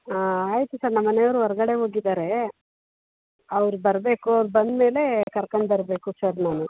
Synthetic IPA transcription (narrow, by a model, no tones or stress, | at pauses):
aaːjit̪usaːɾnɐmːɐnejɐʋɾuɔɾɐɡɐɽe̞ɦo̞ːɡid̪aːɾe̞ | ɐʋɐɾubɐɾbe̞ːkuɐʋɾubɐnd̪me̞ːle̞kɐɾkoɳɖbɐɾbe̞ːkusɐɾnaːnu